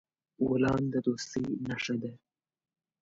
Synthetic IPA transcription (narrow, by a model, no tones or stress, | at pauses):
wolɑnd̪əd̪ost̪inaʂad̪e